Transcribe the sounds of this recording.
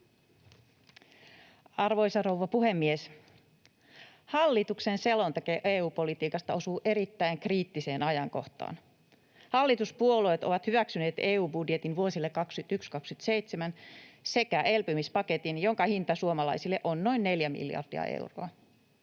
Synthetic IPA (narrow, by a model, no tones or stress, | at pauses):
ɑrʋo̞isɑrouʋɑpuhemːies | hɑlːit̪uksense̞lont̪ɑkeʔeːuːpo̞lit̪iːkɑst̪ɑo̞suːʔe̞ɾit̪ːæiŋkriːt̪ːise̞ːnɑjɑŋko̞̰ht̪ɑ̰ːn | hɑlːit̪uspuoloet̪oʋɑt̪hyʋæksyne̞ːt̪eːuːbudjet̪inʋuosilːekɑkskyt̪ykskɑkskyt̪sejt̪semænse̞kæʔelpømispɑket̪injoŋkɑhint̪ɑsuomɑlɑ̰isilːeʔonːo̞inːe̞ljæmḭljɑ̰rd̥ḭɑ̰ʔḛwro̰ɑ